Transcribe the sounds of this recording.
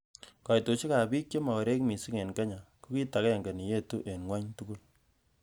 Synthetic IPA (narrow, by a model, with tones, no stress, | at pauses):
kɔ˨jto˨t͡ʃi˦ka˨bi˦k̚t͡ʃe˦ma˨wa˨ɾe˦kmi˨si˦ŋe˨nka˦ɲa˨ku˦ki˦ta˨ke˦˨ŋɡa˨ni˨je˦tu˦ʔe˨nŋwa˦ɲtu˦ku˦l